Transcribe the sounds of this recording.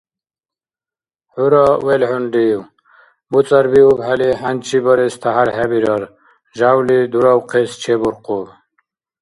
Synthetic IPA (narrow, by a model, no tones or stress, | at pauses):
ħuɾɔwɛlħunɖiw | but͡sʼaɾbiubħaliħant͡ʃʰibɔɾɛst̪ʰaɦaɾɦæbiɾɔɾ | ʒawlid̪uɾɔwqʰɛst͡ʃʰɛbuɾqʰʼub